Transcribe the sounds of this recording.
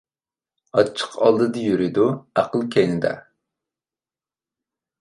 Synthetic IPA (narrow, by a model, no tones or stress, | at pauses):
ɑt͡ʃʰə̥qʰɑlˠd̪ɨd̪ɨjyɾɪd̪uæqəlˠkʲʰɛjnɪd̪ɛ̰